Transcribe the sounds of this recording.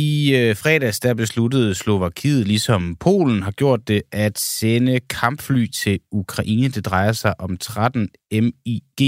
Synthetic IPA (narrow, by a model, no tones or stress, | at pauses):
ifʁɛ̰ːd̥æsd̥æɐb̥e̝sludəð̞̩ˠslo̝ʋɑ̈kʰiːð̞̩ˠlisɒ̽mpʰo̝̰ːln̩ɦɑ̈ɡ̥jo̝ɐ̰d̥ːe̝ʔæd̥senəkʰɑ̈mb̥fly̰ːt͡sʰe̝lukʰʁɑ̈ʔḭːnəd̥e̝d̥ʁɑ̈ɪɐsɑ̈ɪʔɒ̽mt͡sʰʁad̥ən | emiɡ̥e̝̰ː